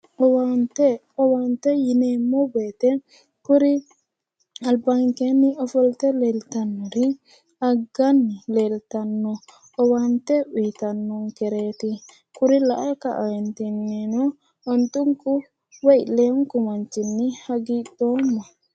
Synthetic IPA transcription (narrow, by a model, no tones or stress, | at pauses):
ɔwantɛ | ɔwantɛjinɛmɔbɛt̪ɛ | kuɾi | albaŋkeniʔɔfɔlt̪ɛlɛltanːɔɾi | aɡanːilɛltanːɔ | ɔwantɛwitanːɔŋkɛɾet̪i | kuɾilaʔaka̰ʔantinːinɔ | ɔnt̪uŋku | wailɛŋkumant͡ʃinːihaɡidɔma